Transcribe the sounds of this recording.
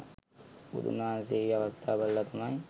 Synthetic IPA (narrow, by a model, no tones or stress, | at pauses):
ṵd̪ṵnaans̬eɡeaʋɐst̪ʰaːbalːat̪ʰamɐj